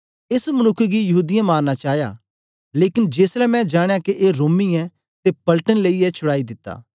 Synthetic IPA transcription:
ɪsmɐnʊkʰːɡijɐɦuːd̪ɪjãmaːɾnat͡ʃaːja̰ | leːkɪnd͡ʒeːslɛmɛ̃d͡ʒaːɽ̃jakeʔeːɾoːmiɛ | t̪epɐlʈənləiɛt͡ʃʰʊɽaːid̪ɪt̪ːa̰ː

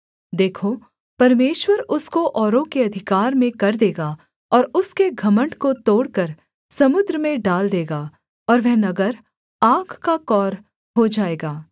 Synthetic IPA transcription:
d̪eːkʰo | pɐɾmeːʃwəɾʊskoʔɔːɾõkeɐd̪ʱɪkaːɾmẽkɐɾd̪eːɡaː | ɔːɾʊskeɡʱɐmə̃ɳʈkot̪oːɽkəɾ | sɐmʊd̪ɾəmẽɖaːld̪eːɡaː | ɔːɾʋɛɦnɐɡəɾ | aːɡʰkakɔːɾ | ɦod͡ʒaːeːɡaː

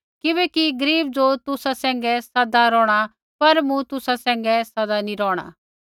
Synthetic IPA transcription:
kɪβɛːkiɡɐɾiːb̚d͡zot̪ʊsasɛ̃ːŋ̆ɡɛsɐd̪aɾɔːɽ̃a | pɐɾmũt̪ʊsasɛ̃ːŋ̆ɡɛsɐd̪aniɾɔːɽ̃a̰

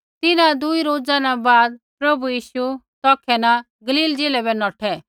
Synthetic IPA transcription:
t̪ɪnãd̪ʊiɾoːd͡zanabaːd̪pɾɐbujiːʃut̪ɔːkʰɛna | ɡɐliːld͡zeːlɛbɛnɔːʈʰɛ

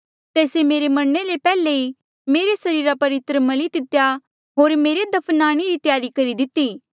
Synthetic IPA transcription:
t̪eːsemeːɾemɐɽnelepɛːlei | meːɾesɐɾiːɾapɐʋɪt̪ɾəmɐlid̪ɪt̪ja | ɦoːɾmeːɾed̪ɐpʰnaːɽ̃iɾit̪jaːɾikɐɾid̪ɪt̪ːiː

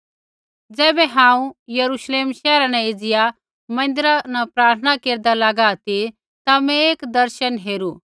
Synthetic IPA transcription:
d͡zɛːbɛɦãːũjɐɾuʃleːmʃɛːɾãnɛ̃ɪd͡zɪja | mɐ̃n̆d̪ɪɾanapɾaːɾt̪ʰənakeːɾd̪alaɡaːt̪i | t̪amɛ̃eːkd̪ɐɾʃənɦeːɾu

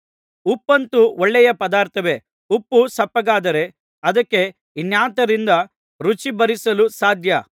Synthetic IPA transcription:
upːɐnt̪uɔɭːɛjɐpɐd̪aːɾt̪ʰɐʋe̞ | upːusɐpːɐɡaːd̪ɐɾe̞ | ɐd̪ɐkːe̞ | injaːt̪ɐɾind̪ɐ | ɾut͡ʃibɐɾisɐlusaːd̪ʱjɐ

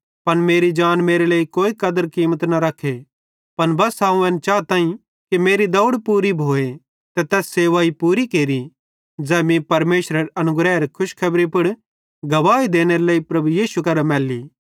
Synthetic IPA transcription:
pɐnmeːɾid͡ʒaːnmeːɾeleːikoːikɐd̪əɾkiːmət̪nɐɾɐkʰːe | pɐnbɐsaːũɛːnt͡ʃaːt̪ãːĩ | kimeːɾid̪ɐʊɽpuːɾibʱoːe | t̪ɛt̪ɛːsːeːʋaːipuːɾikeːɾi | d͡zɛːmĩpɐɾmeːʃɾəɾɐnʊɡɾɛːɾkʰʊʃkʰɐbɾipɪɽ | ɡɐʋaːid̪eːneɾeleːipɾɐbujiːsukɐɾmɛːlːiː

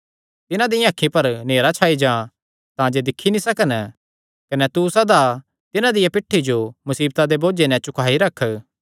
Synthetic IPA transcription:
t̪ɪnãd̪iãːkʰːĩpɐɾneːɾat͡ʃʰaːid͡ʒã | t̪ãd͡ʒed̪ɪkʰːinĩsɐkən | kɐnɛt̪usɐd̪a | t̪ɪnãd̪ɪjapɪʈʰːid͡ʒomɐsiːbt̪ad̪eboːd͡ʒenɛ̃t͡ʃʊkʰaːiɾɐkʰː

